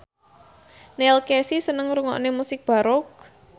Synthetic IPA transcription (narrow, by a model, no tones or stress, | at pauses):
nɛlkɛsisənəŋɾuŋɔ̰ʔnemusɪk̚b̥a̤ɾɔk̚